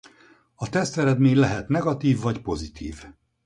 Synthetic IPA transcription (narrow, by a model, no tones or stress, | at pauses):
ɒt̪ɛst̪ɛɾɛd̪meːɲlɛɦɛt̪nɛɡɒt̪iːvːɒcpo̞zit̪ʰḭːv